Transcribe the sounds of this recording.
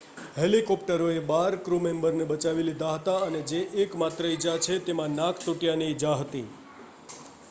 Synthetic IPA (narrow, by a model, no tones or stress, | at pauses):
helikɔpʈəɾoebaɾkɾumembəɾnebət͡ʃaʋilid̪ʱaɦət̪aəned͡ʒeʔːkmat̪ɾəid͡ʒat͡ʃʰet̪emãnãkʰt̪uʈjaned͡ʒaɦət̪i